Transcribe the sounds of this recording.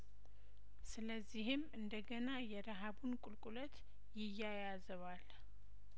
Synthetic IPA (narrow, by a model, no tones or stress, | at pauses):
sɨləzːihɪmɨnd̪əɡənajɛɾaɦabunkʼʊlkʼulət̪ | jɪjːajazɨβal